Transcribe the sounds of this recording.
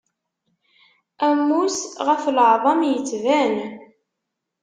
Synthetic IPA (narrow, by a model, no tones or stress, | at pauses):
æmːusʁəflʕðˤɑmjət͡sːvæn